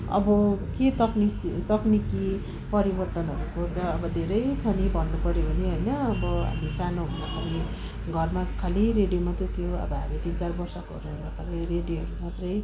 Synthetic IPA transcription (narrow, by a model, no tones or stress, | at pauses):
ʌ̰bʌket̪ʌknisit̪ʌkniki | pʌɾibʌrt̪ʌnɦʌɾukot͡sʰʌːbʌd̪ʱeɾʌjt͡sʰʌnibʱʌnːupʌɾjopʌneɦojnʌʌbʌɦa̰misanoɦund̪akʰeɾi | ɡʱʌrmakʰaliɾeɖijomat̪rʌjt̪ʰijoʌ̰bʌɦa̰mit̪int͡sarbʌrsʌkoɦʌɾuɦund̪akʰalireɖijoɦʌɾumat̪rʌj